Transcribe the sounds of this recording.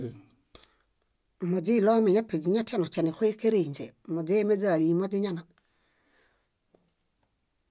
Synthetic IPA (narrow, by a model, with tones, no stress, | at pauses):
mo˨d͡ʒi˦˨lo˦me˨ɲa˦pi˨d͡ʒi˨ɲa˦ta˦no˨t͡ʃa˨ni˨xo˦e˦ke˦ɾe˨ɲd͡ʒḛ˨mo˨d͡ʒe˦me˦d͡ʒa˨li˨mo˦d͡ʒi˦ɲa˦na˨